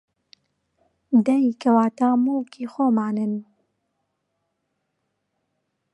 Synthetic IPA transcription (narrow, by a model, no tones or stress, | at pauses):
d̪ɛikʰɐwaːt̪aːmuːkiːxoːmaːnɨn